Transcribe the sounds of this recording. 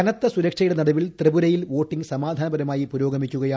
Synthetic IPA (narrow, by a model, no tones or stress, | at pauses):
kɐnɐt̪ːɐsuɾɐkʂɐjuɽenɐɽɐʋilt̪rɨbuɾɐjilʋoːʈːiŋɡsɐmaːd̪ʱaːnɐbɐɾɐmaːjipuɾo̞ːɡɐmikʲːuɣɐjaː